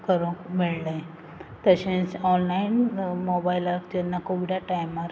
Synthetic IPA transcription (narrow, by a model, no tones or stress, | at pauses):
kəɾõkmeɭlə | t̪əɕẽt͡sɔnlainmobailaɾkd͡ʑenːakoʋiɽaʈajmːaɾ